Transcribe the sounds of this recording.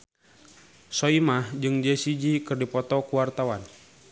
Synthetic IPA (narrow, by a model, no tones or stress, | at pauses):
sɔimahd͡ʒɨŋd͡ʒɛsid͡ʒikɨrdipɔt̪ɔkuwart̪awan